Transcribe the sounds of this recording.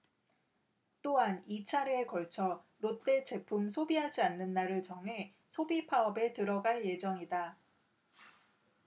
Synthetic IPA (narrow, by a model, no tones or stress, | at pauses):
t͈oɦanit͡ɕʰaɾeekʌɭt͡ɕʰʌ | ɾot͈e̞t͡ɕe̞pʰumsʰobiɦad͡ʑianːɯnːaɾɯɭt͡ɕʌŋɦe̞ | sʰobipʰaʌbe̞tɯɾʌɡaɭje̞d͡ʑʌŋida